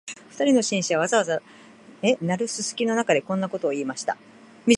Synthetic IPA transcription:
ɸɯ̥t̪aɾʲino̞ɕĩɰ̃ɕiβaβ̞azaβaza | enaɾɯ̟sɨsɨ̥kʲino̞nakad̪e̞kõ̞nːako̞t̪o̞ːiːmaɕi̥t̪a̰ | mʲi

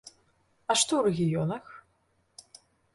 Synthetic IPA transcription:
ɐʂt̪ɔwɾɛɣʲijɔnɐx

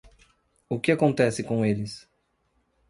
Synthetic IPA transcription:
ʊkɪakõnt̪ɛsɪkõelɪs

